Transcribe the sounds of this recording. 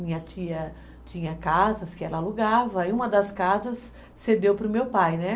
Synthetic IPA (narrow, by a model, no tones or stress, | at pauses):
mĩɲɐt͡ʃiɐ | t͡ʃĩɲɐkazɐskɪɛlɐaluɡavɐɪũmɐd̪ɐskazɐsː | ed̪ewpɾʊmewpajnɛ